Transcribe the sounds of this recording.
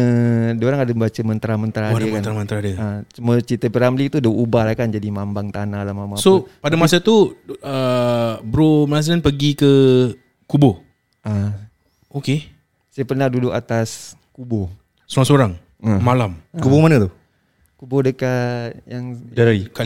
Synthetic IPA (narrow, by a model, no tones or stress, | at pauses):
ədoɾaŋadəmbat͡ʃəmənt̪ɾamənt̪ɾaaadakməant̪ɾamənt̪ɾadəat͡ʃumət͡ʃit̪əpəɾamlit̪udəubahlahkand͡ʒadimambaŋt̪analamamasopadamasat̪uə | bɾoməlas̬əanpəɡikə | kubo | ʔa | oke | sajapənahdudʊkat̪as | kubo | soɾaŋsoɾaŋ | əmalamkubomanət̪u | kubodəkajaŋaka